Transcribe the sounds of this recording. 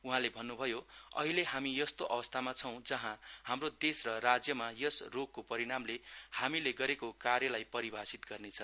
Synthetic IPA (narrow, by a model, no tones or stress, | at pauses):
uɦãlebʱʌnːubʱʌjoʌ̰ɦileɦamijʌst̪oʔʌbʌst̪ʰamat͡sʰʌw̃d͡zʌɦãhamrod̪esrʌrad͡zjʌmajʌsroɡ̚ːopʌɾiɽ̃amlehamileɡʌɾekokarjʌlajpʌɾibʱasit̪ɡʌrnet͡sʰʌ